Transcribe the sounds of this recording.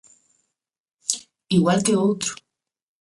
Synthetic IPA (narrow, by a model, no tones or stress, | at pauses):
iwalt̪eot̪ɾo̥